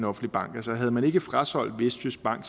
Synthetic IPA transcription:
nɒ̽fn̩d̥lib̥ɑ̈ŋ̰ɡ̥æsɐɦæð̞̩ˠmæne̝ɡ̥əfʁasɒ̽l̰d̥ʋesd̥ysb̥ɑ̈ŋ̰ɡ̥s

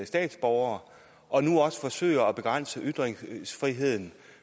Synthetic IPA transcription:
sd̥ɛ̰ːd̥sb̥ɒʊɐː | ʔɒ̽nuɒ̽sə̥fɒ̽sø̰ːɪɐɒb̥e̝ɡ̥ʁan̰səʔyd̥ʁeŋsfʁiɦe̝ð̞̰ˠn̩

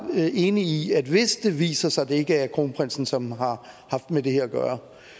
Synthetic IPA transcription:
e̝ːniiæd̥ʋe̝sd̥e̝ʋḭːsɐsɑ̈ɪd̥ee̝ɡ̥əæɐkʰʁo̝ːnəpʰʁen̰sn̩sɒ̽mɦɑ̈hɑ̈fd̥med̥e̝heɐɒɡ̥ɶ̰ːɐ

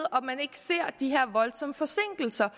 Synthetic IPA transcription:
ðˠɒ̽mːæne̝ɡ̥ə̥se̝ɐ̰d̥iɦeɐ̰ʋɒ̽lsɒ̽məfɒ̽se̝ŋ̰ɡ̥l̩sɐ

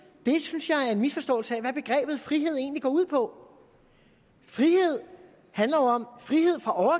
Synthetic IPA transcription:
d̥e̝synsjɑ̈ɪæɐe̝nmisfɒ̽sd̥ɔ̰̽ɪlsəæʋæb̥e̝ɡ̥ʁɛ̰ːb̥ð̩ˠfʁiɦe̝ð̞̰ˠe̝ːnliɡ̥ɒ̰ːuð̰ˠpʰɒ̽ | fʁihe̝ð̞̰ˠ | hænlɐjoɒ̽mfʁihe̝ð̞̰ˠfʁɑ̈ʔɒʊɐ

